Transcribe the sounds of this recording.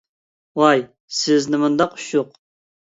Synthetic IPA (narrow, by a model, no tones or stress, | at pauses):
wɑj | sɪznɪmund̪ɑqʰʊ̥ʃʊq̚